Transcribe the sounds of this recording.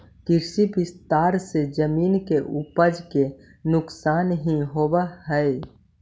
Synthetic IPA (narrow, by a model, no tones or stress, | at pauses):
kɪɾsibɪst̪aːɾsed͡ʒəmiːnkeʔʊpəd͡ʒke | nʊksaːnɦiɦoːbaɦɛe